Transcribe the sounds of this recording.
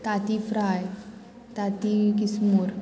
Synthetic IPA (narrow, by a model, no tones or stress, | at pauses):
t̪at̪ifɾaj | t̪at̪ik̬ismuːɾ